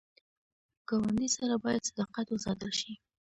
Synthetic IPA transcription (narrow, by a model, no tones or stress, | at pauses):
ɡawand̪isaɾabɑjad̪sad̪ɑqat̪ʊzɑd̪əlʃi